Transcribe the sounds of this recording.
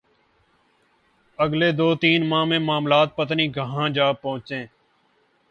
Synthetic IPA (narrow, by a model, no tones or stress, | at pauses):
əɡleːd̪oːt̪iːnmãːmẽːmaːmlaːt̪̚pət̪nĩːɡʱəɦãːd͡ʒaːpə̃ɦʊ̃t͡ʃẽː